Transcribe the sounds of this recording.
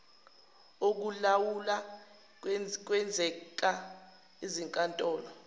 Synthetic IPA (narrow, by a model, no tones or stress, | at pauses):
ok̬ulawula | k̬wɛnd͡zʱɛk̬a | iziŋkʼantʼɔːlɔ